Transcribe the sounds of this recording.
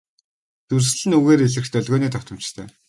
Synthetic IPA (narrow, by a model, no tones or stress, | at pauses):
t̪urs̆ɮɘ̆nuɣeːɾeɮɘ̆xt̪œɮɣoːniːt̪ʰɔkt̪ɞ̆m̥t͡ɕt̪ʰœ̰ː